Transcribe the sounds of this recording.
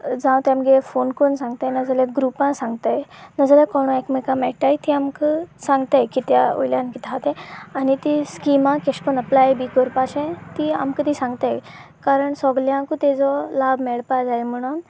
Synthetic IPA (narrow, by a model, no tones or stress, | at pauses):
d͡zãw̃t̪jãmɡefonkonsãŋɡt̪ajnəd͡zəleɡɾupãsãŋɡt̪ajnəd͡zəljakɔɽ̃ekmekamɛʈajt̪iamkəsãŋɡt̪ajkit̪jao̰jljankit̪ʰat̪ẽanit̪iskimãkeʂpənəplajbikəɾpaɕẽt̪ia̰mkət̪isãŋɡt̪aj | kaɾəɳsɔɡljãkut̪ed͡zɔlabmeɭpad͡zajm̤əɽ̃un